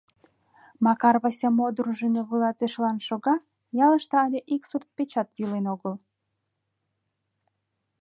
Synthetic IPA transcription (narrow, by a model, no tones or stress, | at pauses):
mɑkɑrβɑsʲɑmod̪ɾuʒəneβəlɑt̪eʃlɑnʃoɣɑ | jɑləʃt̪eɑlʲeʔiksurt̪̚pet͡ɕɑt̪jylenoɣəl